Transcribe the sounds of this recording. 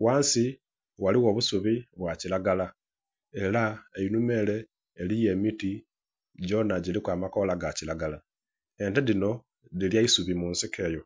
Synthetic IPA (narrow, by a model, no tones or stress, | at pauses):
waːnsi | waliɣo̞ːβusuβiβwacilaɡala | e̞laejinume̞ːle̞ː | lije̞ːmiti | ɟo̞naɟilikwaːmako̞laɡacilaɡala | e̞nteðino̞ | ðiljaisuβimuːnsikʰe̞ːjo̞